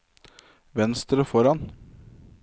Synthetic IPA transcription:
ʋɛnst̪ɾəfɔɾɑn

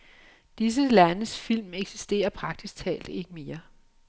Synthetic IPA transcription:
d̥is̬əlænəsfil̰meɡ̥si̥sd̥e̝̰ːɐpʰʁɑ̈ɡ̥̚d̥isɡ̥̚t͡sʰɛ̰ːld̥e̝ɡ̥əme̝ːɐ

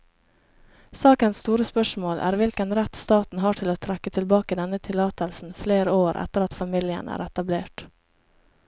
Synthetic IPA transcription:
sɑːkənsst̪uːɾəspœʂmoːlʔæ̰ːɾʋɪlkənɾɛt̪st̪ɑːt̪n̩ɦɑːʈʰɪloːt̪ʰɾɛkːət̪ʰɪlbɑːkəd̪ɛnət̪ʰɪlɑːt̪əlsn̩fleːɾəoːɾʔɛ̰t̪əɾɑt̪fɑmɪljə̰nʔæ̰ːɾɛt̪ɑbleːʈ

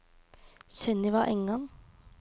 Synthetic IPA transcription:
sœnɪʋɑːʔɛ̰ŋɑŋ

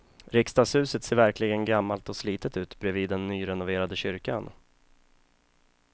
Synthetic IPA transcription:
ɾɪkst̪ashʉ̟ːsət̪seːɾvæɾklɪɡənɡamːalt̪ɔsliːt̪ət̪ʉ̟ːt̪bɾɛviːd̪ːɛnːyːɾɛnʊveːɾad̪əɕʏɾkan

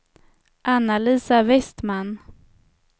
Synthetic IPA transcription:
ʔanːaliːsavɛst̪man

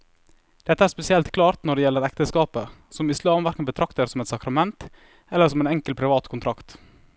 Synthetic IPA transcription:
d̪̥ɛt̪ːəæːɾʂspɛsɪɛlt̪kʰlɑːɾt̪nɔɖɛːjɛlːəɾɛkt̪əskɑːpəsɔmɪslɑːmʋæɾkənbət̪ʰɾɑkt̪əɾsɔmɛt̪sɑkɾɑmɛnt̪ | ɛlːəɾsɔmɛːnɛŋkəlpʰɾɪʋɑːt̪kʰʊnt̪ʰɾɑkt̪

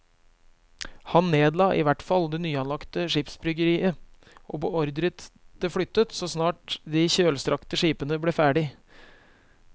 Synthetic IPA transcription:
hɑnːeːd̪lɑːʔɪʋæʈfɑld̪ɛnyːɑnlɑkt̪əʂiːpsbɾʏɡəɾiːə | ʔo̰ːpɔɔɾd̪ɾət̪d̪̥ɛflʏt̪ːət̪sɔsnɑːʈd̪ɪçøːlst̪ɾʔɑkt̪əʂiːpənəblefæːɖɪ

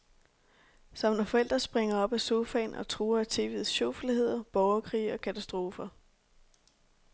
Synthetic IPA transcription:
sɑm̰næfɒ̽el̰d̥ʁɐsb̥ʁeŋɐɒ̽b̥æso̝fɛ̰ːnʔɒ̽t͡sʰʁuːɐæt͡sʰe̝lʋiːðˠsɕoʊflihe̝ð̞̰ˠɐb̥ɒʊɐkʰʁḭːɒ̽kʰæt͡sʰæsd̥ʁo̝ːfɐ

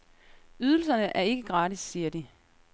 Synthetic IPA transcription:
yð̞ˠl̩sɐnəʔæɐe̝ɡ̥əɡ̥ʁɑ̈ːɾisːiːɐd̥i

